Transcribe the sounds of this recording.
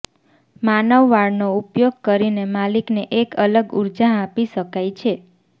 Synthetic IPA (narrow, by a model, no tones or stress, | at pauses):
manəʋːaɽnoupjoɡ̚kəɾinemalikneʔekələɡṵɾd͡ʒaɦapiʃəkajt͡ʃʰe